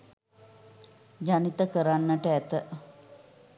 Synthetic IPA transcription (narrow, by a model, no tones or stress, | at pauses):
d͡ʒanit̪əkəɾanːəʈəæt̪ə